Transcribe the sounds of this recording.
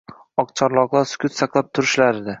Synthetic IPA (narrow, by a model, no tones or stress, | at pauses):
ɒqt͡ʃʰɒɾlˠɒqlˠaɾsʊ̥kʲʊt̪sɑqlˠap̚t̪ʰʊɾɪʃlaɾɪd̪a